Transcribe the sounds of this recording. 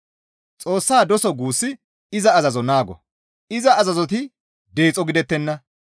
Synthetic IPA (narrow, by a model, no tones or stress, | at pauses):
t͡sʼo̞ːsːaːd̪ɔsɔɡuːsːɪ | ɪzɐːzɐzɔnaːɡɔ̰ | ɪzɐɐzɐzɔt̪ɪ | d̪e̞ːt͡sʼɔɡɪd̪ɛt̪ːɛnːɐ